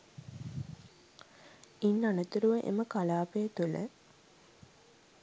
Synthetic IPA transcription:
inːanət̪uɾuʋəʔḛməkalaːpejət̪ulə̰

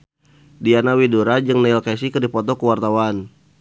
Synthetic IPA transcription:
dianawiduɾad͡ʒɨŋnalkasikərdipɔt̪ɔkəwart̪awan

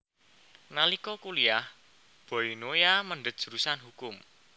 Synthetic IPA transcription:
nalikɔkuliah | b̥ɔ̤inojaməɳɖət̪̚ʒ̥ɾusanɦukʊm

